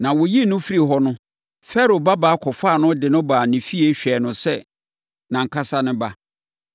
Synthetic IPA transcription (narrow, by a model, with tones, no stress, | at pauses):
nã˨wʊ˨ji˦˨nʊ̃˦fi˦ɾi˨ɦɔ˦nʊ̃˦ | fɛ˦ɾo˨ba˦baː˨˦kʰɔ˨faː˦˨nʊ̃˦dɪ˨nʊ̃˦baː˨nɪ̃˨fi˦e˦ɕᶣɛ˨nʊ̃˨sɛ˦ | nã˨ŋ̩˨kʰa˦sa˦nʊ̃˦ba˦